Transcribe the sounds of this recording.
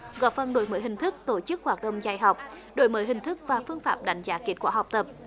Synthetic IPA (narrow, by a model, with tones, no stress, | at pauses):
ɣɔ̰˧˩fə˨˧˩nɗo̰˨˧˦jməː˨˦jhï˨˩ŋ̟t̪ʰɨ˦˥k̚t̪o˧˨˦t͡ɕɨ˦˥k̚hwaː˨˩t̚ɗə̰˧˨wŋ͡mza˧˩jɦa˨˩wk͡p̚ | ɗo̰˧˩˦jməː˨˦jɦhï˨˩ŋ̟t̪ʰɨ˦˥k̚vaː˨˩fɨ˧əŋfaː˧˩p̚ɗa̰˧˩jŋ̟zaː˨˦ki˦˥ət̚kwaː˧˩˦ha˨˩wk͡p̚t̪ə˨˩p̚